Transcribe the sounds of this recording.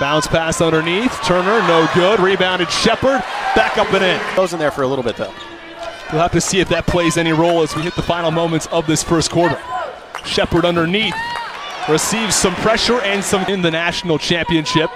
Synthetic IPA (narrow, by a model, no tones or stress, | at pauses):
b̥ãʊ̃nspʰæstʌ̃ndə˞niθtʰɜ̃˞nə˞noʊɡʊd̚ɹibãʊ̃ndɨd̥ʃɛpə˞d̚b̥ækʌpɨ̃ɾ̃ɪ̃nðoʊzɨ̃n̩ðə˞fə˞əlɪɾl̩ˠbɪt̪̚ðo̰ʊ | wilˠhæftɨsiɨfðɨt̚pʰl̥eɪzɛñiɹoʊlˠəzwihɪt̪̚ðəfãɪ̃nl̩ˠmõʊ̃mɨ̃ntsʌvðɪsfɜ˞stkʰw̥ɔɹɾə˞ | ʃɛpə˞ɾʌ̃ndə˞niθ | ɹɨsivz̥sʌ̃mpʰɹ̥ɛʃə˞ɨ̃nsʌ̃m̃nðɨnæʃn̩l̩ˠt͡ʃʰæ̃mpiɨ̃nʃɪp̚